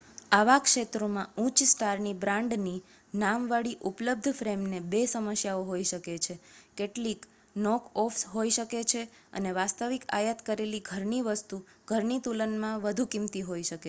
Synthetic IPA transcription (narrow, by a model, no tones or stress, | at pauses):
aʋakʃet̪ɾomãũt͡ʃsʈaɾnibɾãɳɖni | namʋaɽiʔupləb̚d̪ʱfɾemnebesəməsjaoɦoiʃəket͡ʃʰekeʈlik | nɔkɔfsɦoiʃəket͡ʃʰe | ə̰neʋast̪əʋika̰jət̪kəɾeliɡʱəɾniʋəst̪u | ɡ̥ʱəɾnit̪ulənmãʋəd̪ʱukimt̪iɦoiʃəke